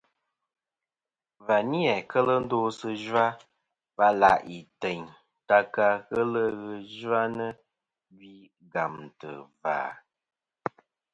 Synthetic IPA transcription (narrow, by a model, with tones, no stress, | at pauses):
va˨ni˦ɛ˨kə˦lə˦n̩˦do˦sə˦ʒwa˦ | va˦la̰˨ʔi˨te˨ɲ | ta˦ka˧ɣə˦lə˦ɣə˨ʒa˦nə˦ | ɡi˦ | ɡa˨m˨tə˨va̰ː˨